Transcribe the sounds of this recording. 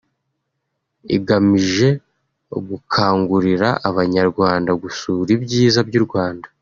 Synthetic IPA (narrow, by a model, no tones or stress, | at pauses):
ḭɡamiʒe̞ | oɡukʰaːŋɡuɾiɾaʔːβaɲaɾɡwaːndaɡusuːɾibɟiːzabɟuɾɡwaːndḁ